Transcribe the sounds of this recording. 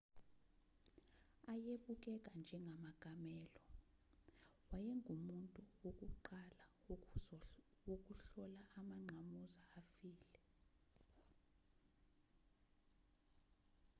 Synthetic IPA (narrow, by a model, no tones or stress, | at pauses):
ajeɓuk̬ʼɛk̬ʼand͡ʒʱɛŋɡʱamaɡ̥ʱamɛːlɔ | wajɛŋɡʱumuntʼuuk̬ʼuǃala | uk̬ʼuɬɔlaʔamaŋ͡ǀʱamuzaafiːlɛ